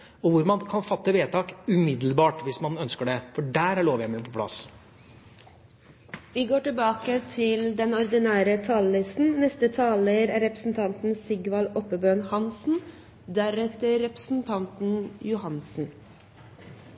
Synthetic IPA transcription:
ɔʋʊɾmɑnkʰɑnfɑt̪ːəʋeːt̪ʰɑːkʉmɪd̪l̩bɑːʈʋɪsmɑnœnskəɖɛfɔɖæːɾæɭoːʋjæɪmɪpʰɔpʰlɑ̰s | ʋiːɡoːʈɪlbɑːkət̪ʰɪld̪ɛnɔɾd̪ɪnæːɾət̪ʰɑːllɪst̪n̩nɛst̪ət̪ʰɑːləɾæɾɛpɾəsn̩t̪ʰɑnt̪n̩sɪɡʋɑlɔpəbønhɑnsn̩ | d̪æɾɛt̪əɾɛpɾə̥sn̩t̪ʰɑnt̪n̩jʊhɑnsn̩

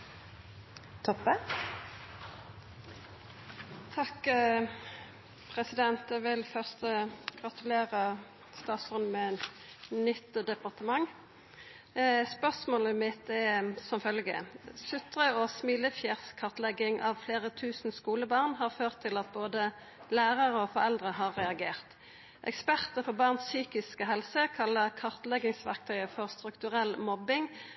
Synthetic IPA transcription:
t̪ʰɔpːə | t̪ʰɑk | pʰʁɛsɪd̪ɛnt̪ɛʋɪlfœʁst̪əɡ̥ʁɑt̪ʉleːʁə | st̪ɑːt̪sʉnmɛn | nʏt̪d̪ɛpɑʁt̪əmɑŋː | spœʁsmoːləmɪt̪ɛsɔmfœlɡə̰sʉt̪ʁəɔsmiləfjæːʁskʰɑʁt̪lɛɡɪŋʔɑ̰ʋfleːʁət̪ʰʉːsn̩skuːləbɑːʁnɦɑːʁføːʁt̪ʰːɪlɑt̪̚boːd̪ə | læːʁəʁəɔfɔʁɛld̪ʁəɦɑːʁʁɛɑɡeːʁt̪ | ʔɛ̰kspæʁt̪əfɔʁbɑːʁnssyːkɪskəɦɛlsəkʰɑlːəʁkʰɑʁt̪lɛɡɪŋsʋæ̰ʁk̚t̪ʰœʏəfɔʁst̪ʁʉkt̪ʉʁɛlmɔbɪŋ

